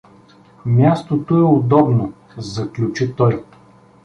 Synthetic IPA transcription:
mʲjast̪ot̪oɛʊd̪ɔbno | zɐklʲut͡ʃit̪ɔj

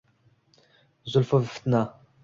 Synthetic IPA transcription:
zʊlfuvft̪na

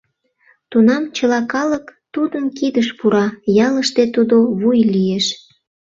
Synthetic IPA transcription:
t̪unɑmt͡ɕəlɑkɑləkt̪ud̪ənkid̪əʃpuɾɑjɑləʃt̪et̪ud̪oβujlijeʃ

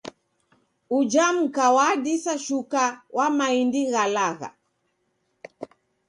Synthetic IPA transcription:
ud͡ʒam̩kawadisaʃukawʔamaindiɣalaɣa̰

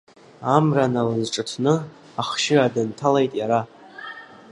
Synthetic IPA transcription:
amranalazʈ͡ʂʼɨtʰnɨ | aχʃɪradɨntʰalejtʼjaɾa

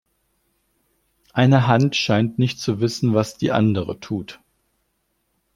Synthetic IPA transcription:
ʔaɪnəɦantʃaɪntnɪçt̚t͡suvɪsn̩vasd̥ḭːʔa̰ndəʁətʰuːt

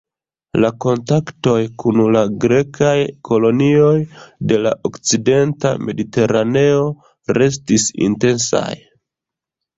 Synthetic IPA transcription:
lako̞ntakto̞jkunlaɡɾe̞kʰajkʰo̞lo̞nio̞jde̞la̰ʔokt͡side̞nta̰mʔe̞dite̞ɾane̞o̞ | ɾe̞s̬tisḭnte̞nsa̰j

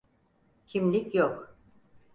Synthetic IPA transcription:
cʰimlʲicjok

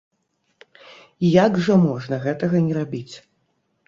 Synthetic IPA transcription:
jaɡʐɐmɔʐnɐɣɛt̪ɐɣɐnʲɛɾabʲit͡sʲ

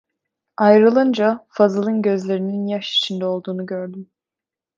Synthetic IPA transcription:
ajɾɯlˠɯnd͡ʒafazɯlˠɯnɟø̞zlʲe̞ɾininjaʃi̥t͡ʃʰind̪ɛo̞lˠd̪uːnuɟø̞ɾd̪ym

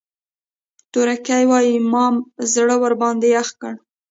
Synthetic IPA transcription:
t̪uɾakajwɑjimɑmzɽəwaɾbɑnd̪eaxkəɽ

